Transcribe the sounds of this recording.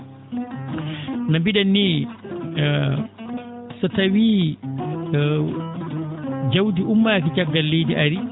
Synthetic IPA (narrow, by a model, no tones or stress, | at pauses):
nambiɗanːi | satawiː | d͡ʒawdiʔumːaːkit͡ʃaɡːalːejdiʔaɾi